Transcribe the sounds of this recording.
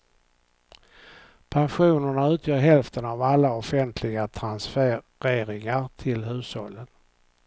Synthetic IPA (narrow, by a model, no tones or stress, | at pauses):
pʰanɧuːnəɳaʉ̟ːt̪ʰjœːɾɦɛlft̪ənavalːaɔfɛnt̪ʰlɪɡat̪ʰɾansfɾeːɾɪŋaɾt̪ʰɪlɦʉ̟ːshɔ̰lːən